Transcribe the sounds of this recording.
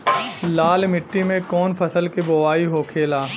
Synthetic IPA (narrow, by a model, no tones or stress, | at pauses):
laːlmɪʈːimẽkɔːnpʰɐsəlkiboʋaːiɦokʰeːlaː